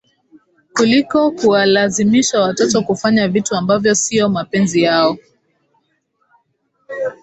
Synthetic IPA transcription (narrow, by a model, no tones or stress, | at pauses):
kulikɔkuwalazimiʃawatɔtɔkufaɲavituambavjɔsiɔmapɛnzijaɔ